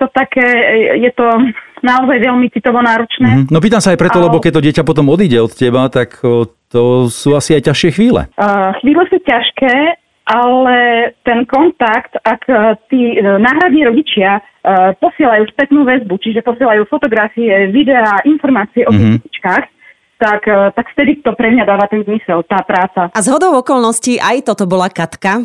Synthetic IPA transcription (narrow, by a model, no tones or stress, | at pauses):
t̪ɔt̪akɛːjɛt̪ɔnaɔzajʋɛʎmit͡sit̪ɔʋɔnaːɾɔt͡ʃnɛːnɔpiːt̪amsajpɾɛt̪ɔlɛbɔkɛc̚t̪ɔɟɪɛcapɔt̪ɔmɔd̪iːɟɛɔt̪cɛbat̪akt̪ɔsuːasiajcaʃɪɛxʋiːlɛ̰xʋiːlɛsuːcaʃkɛː | ʔalɛt̪ɛnkɔnt̪akt̪akt̪iːnaːɦɾad̪ɲiːɾɔɟit͡ʃɪa | pɔsɪɛlajuːspɛt̪nuːʋɛzbut͡ʃiʒɛpɔsɪiɛlajuːfɔt̪ɔɡɾafiɛʋid̪ɛaːʔinfɔɾmaːt͡siɛʔɔsiitit͡ʃkaːx | t̪akt̪akft̪ɛd̪it̪ɔpɾɛmɲad̪aːʋat̪ɛnzmisɛlt̪aːpɾaːt͡saʔazɦɔd̪ɔʊɔkɔlˠnɔsciʔajt̪ɔt̪ɔbɔlakat̪ka